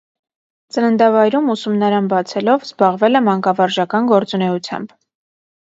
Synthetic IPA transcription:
t͡sənənd̪ɑvɑjɾumusumnɑɾɑnbɑt͡sʰɛlɔvzbɑʁvɛlɛmɑŋkɑvɑɾʒɑkɑnɡɔɾt͡sunɛut͡sʰjɑ̰mb

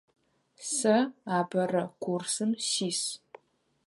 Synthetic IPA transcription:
sɐaːbɐrɐkʷʰursɨmsiːs

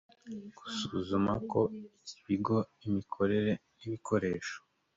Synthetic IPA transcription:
ɡ̥u̥suzumako̞iciβiɡo̞imikʰo̞ɾe̞ɾe | iβiko̞ɾe̞ːʃo̥

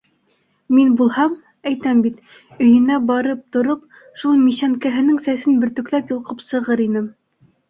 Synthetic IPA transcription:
minbulˠhɑm | æjt̪æmbit̪ | ɵ̆jɘ̆næbɑɾɤp̚t̪ŏɾɤp̚ | ʃulˠmiɕæŋkæɦɘ̆nɘŋsæsɘnbɘ̆ɾt̪ɵ̆klæpjŏlˠqɤpsɤ̆ʁɤɾinɘm

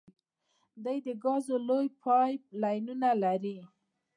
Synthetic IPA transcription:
d̪ajd̪əɡɑzolojpʰɑjlɑjnunalaɾi

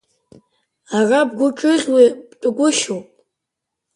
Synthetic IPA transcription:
arabɡʷʊʈ͡ʂʼɨɮʲwibt͡pʼʊɡʷʊʃowpʼ

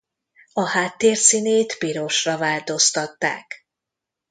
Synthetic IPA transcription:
ɒhaːt̪ːeːrsineːt̪piɾo̞ʃrɒvaːlt̪o̞st̪ɒt̪ːa̰ːk

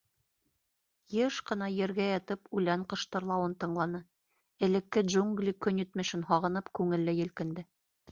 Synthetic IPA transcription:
jeʃqɤ̆nɑjɘ̆ɾɡæjɑt̪ɤpʉlæɴqɤ̆ʃt̪ɤ̆ɾlˠɑwɤnt̪ɤ̆ɴlˠɑnɤ | ɘ̆lɘ̆kːɘdʒuŋɡlʲikɵnjɵ̆t̪mɘ̆ʃɘnɦɑʁɤ̆nɤpkʉŋɘ̆lːɘjɘ̆lkɘ̆nd̪ɘ

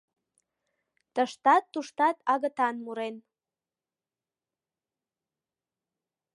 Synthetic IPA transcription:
t̪əʃt̪ɑt̪ːuʃt̪ɑt̪ʰɑɣət̪ɑnmuɾen

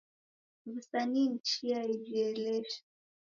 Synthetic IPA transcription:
βusaniːn̩t͡ʃiaid͡ʒiɛlɛʃḁ

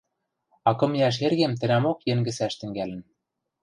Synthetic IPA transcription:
ɑkɤ̆mjæʃ̬erɣemt̪ɘ̆næmokjĕŋɡɘ̆sæʃt̪ɘ̆ŋɡælɘ̆n

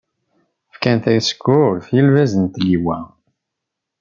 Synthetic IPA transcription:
fkænt̪æjsə̥kːʊɾfjəlvæzənt̪liwæ

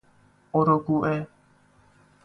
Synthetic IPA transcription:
oɾoɡuʔe

